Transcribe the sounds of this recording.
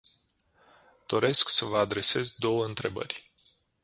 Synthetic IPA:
d̪̥o̞ɾe̞sksəvəad̪ɾe̞se̞zd̪o̞wəɨnt̪ɾe̞bə̰rʲ

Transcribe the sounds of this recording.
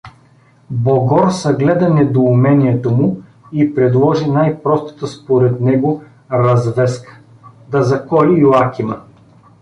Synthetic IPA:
boɡɔɾsɐɡlɛd̪ɐnɛd̪oːmɛniɛt̪omʊ | ipɾɛd̪lˠɔʒinajpɾɔst̪ə̥t̪əspoɾɛt̪nɛɡo | ɾɐzvɛskə̥ | d̪ɐzɐkɔlijuakʲimɐ

